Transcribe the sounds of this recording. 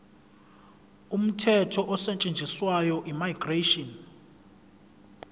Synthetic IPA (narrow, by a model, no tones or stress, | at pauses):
um̩tʰɛtʰɔʔɔsɛt͡ʃʼend͡ʒʱʼiswajɔʔimajɡ̥reʃɔn